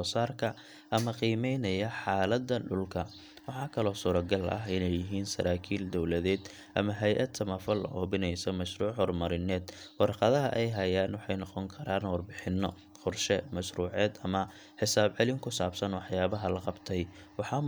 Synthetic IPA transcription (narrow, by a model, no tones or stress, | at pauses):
ɔːsaːrkʰɐ | ʔɐmɐqiːmɛjnɐjɐħɑːlɐd̪ɐɖʊlkʰɐ | wɑħɑːkʰɐlɔːsuːɾɐɡɐlʔɐ̰ɦɪnɛjɪɦiːnsɐ̰ɾaːkʰiːld̪ɔwlɐðɛːd̪ | ʔɐ̰mɐɦɛjʔɐd̪sʰɐmɐfɐlɐ̰ʔɔːbɪnɛjsɔmɐʃruːʕhɔrmɐɾɪnɛːd̪wɑrqɑðɐɦɐʔɛjɦɐjaːnwɑħɑjnɔqɔŋkʰɐɾaːnwɑrbɪħɪnːɔ̰ | qʊrʃɛmɐʃɾuːʕɛːd̪ɐmɐ | ħɪsaːbʕɛlɪŋkʰʊsaːbsɐnwɑħjaːβɐɦɐlɐqɑbt̪ʰɛjwɑħɑː